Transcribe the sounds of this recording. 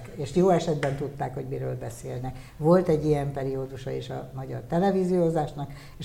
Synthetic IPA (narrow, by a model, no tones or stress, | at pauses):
keːʃjoːɛʃɛd̪bɛnt̪ut̪ːaːkho̞ɟmiɾøːlbɛsḛːlnɛk | ʋo̞lt̪ɛɟːijɛmpɛɾioːd̪uʃɒeːʃɒ̰mɒɟɒ̰rt̪ɛlɛvizijozaːʃnɒk | eʃ